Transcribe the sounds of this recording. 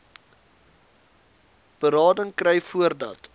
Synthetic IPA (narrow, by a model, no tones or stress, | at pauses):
b̥əɾɑːdəŋkrɛjfuərdɐt